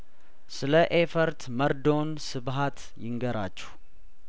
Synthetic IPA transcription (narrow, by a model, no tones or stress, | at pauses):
sɨləʔefəɾt̪məɾd̪o̞nsɨbɦat̪ | jɪŋɡəɾa̰t͡ʃːɛ̥h